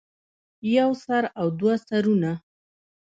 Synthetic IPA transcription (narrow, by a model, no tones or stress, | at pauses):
jawsaɾawd̪wasaɾuna